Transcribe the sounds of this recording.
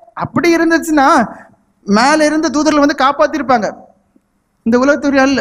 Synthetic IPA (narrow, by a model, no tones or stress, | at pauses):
ɐpːɐɽɪɪɾɯnd̪ɯt͡ʃːɯnːaː | meːlɪɾɯnd̪ɐt̪̬uːðɐɾlʋɐnd̪ɯkaːpaːt̪ːɪɾɯpːaːŋɡɐ | ɪnd̪ɐʊlɐɣɐt̪ːʊɾɪjaːlɪlːɐ